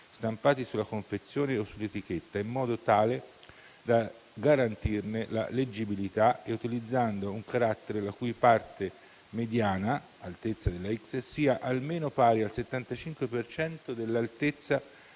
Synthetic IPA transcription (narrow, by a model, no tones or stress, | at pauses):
st̪ampaːt̪isulːakoɱfet̪sːjoːneosːulːet̪ik̟et̪ːaimːɔːd̪ot̪aːle | d̪a | ɡaɾant̪irnela̰led͡ʒːibilit̪aeut̪ilid̪zːand̪ouŋkaɾat̪ːeɾelakujpart̪e | med̪jaːna | alt̪et̪sːad̪elːaikssiːaʔalmeːnopaːɾialset̪ːant̪at͡ʃiŋkwepert͡ʃɛnt̪od̪elːalt̪et̪sːa